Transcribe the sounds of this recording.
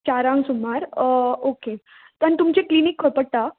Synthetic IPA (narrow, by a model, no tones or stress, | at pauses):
t͡ɕaɾãŋɡsumaɾoke | t̪ənt̪umt͡ɕeklinikʰːəpəɽt̪a